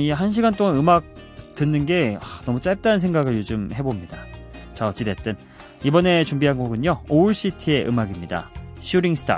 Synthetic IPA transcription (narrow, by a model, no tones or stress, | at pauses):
iɦanɕ̬ʰiɡant͈oŋanɯmak̚tɯnːɯnɡe̞anʌmut͡ɕ͈ajp̚t͈anɯnsʰe̞ŋɡaɡɯɭjod͡ʑɯmhe̞bomɲidat͡ɕaʌt͡ɕ͈idet͈ɯn | ibʌne̞t͡ɕuŋmbiɦanɡoɡɯɲjooɯɭɕ͈itʰie̞ʔɯmaɡimɲida̰ɕʰuɾiŋsʰɯ̥tʰa̰